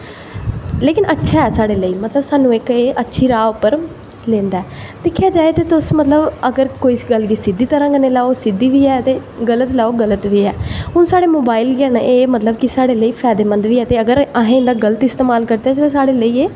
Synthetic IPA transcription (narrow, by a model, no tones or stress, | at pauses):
leːkɪnʔətːʃʰaːɛːsaːɽeːləiːmət̪ləbsaːnũːɪkeːʔətːʃʰiːɾaːʊpːəɾ | lẽːnd̪aːɛːd̪ɪkʰːjaːd͡ʒaːet̪eːt̪ʊsmət̪ləbəɡəɾkoːiːsɡəlkiːsɪd̪iːt̪əɾãːkəneːlaːoːsɪd̪ːiːʋiːɛːt̪eː | ɡələt̪laːoːɡələt̪ʋiːɛːɦʊnsaːɽeːmoːbaːɪlɡɛːnʔeːmət̪ləbkɪsaːɽeːləiːpʰɛːd̪eːmə̃nd̪ʋiːɛːt̪eːəɡəɾaɦẽːɪnd̪aːɡələt̪ɪst̪eːmaːlkəɾd̪aːd͡ʒ̪esaːɽeːləiːeː